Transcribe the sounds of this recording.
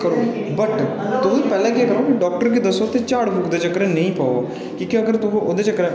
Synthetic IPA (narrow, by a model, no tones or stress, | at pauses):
kəɾoːbəʈt̪ʊpɛːlãːkaːkəɾoːkiɖɔːk̚ʈəɾkid̪əsoːt̪eːt͡ʃaːɽbʱukd̪eːt͡ʃəkɾɛːnəĩːpaːoː | kiːkiəɡəɾt̪ʊ̃ʔod̪eːt͡ʃəkɾɛː